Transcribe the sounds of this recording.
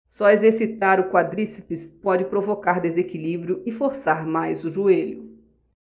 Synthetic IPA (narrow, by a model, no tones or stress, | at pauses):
sɔezeɾsit̪aɾʊkwad̪ɾisipɪspɔd͡ʒɪpɾovokaɾd̪ezekilibɾjʊɪfoɾsaɾmajzʊʒueʎʊ